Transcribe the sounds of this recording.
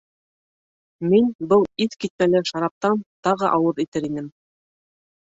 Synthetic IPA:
minbɤlˠiðkit̪̚mælɘʃɑɾɑp̚t̪ɑnt̪ɑʁɤʔɑwɤðit̪ɘɾinɘm

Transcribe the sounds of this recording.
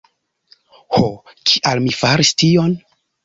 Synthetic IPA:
hokʰiʔalmifaɾistion

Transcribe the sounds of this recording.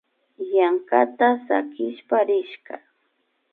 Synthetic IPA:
jaŋkat̪asa̰kɪʃpaɾɪʃka̰

